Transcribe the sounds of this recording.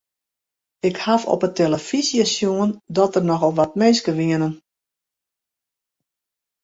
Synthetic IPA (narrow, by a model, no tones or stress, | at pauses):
ɪkhafɔ̰pətʰeləfisiasjuəndɔtərnɔxɔlˠʋat̚meːskəʋiənən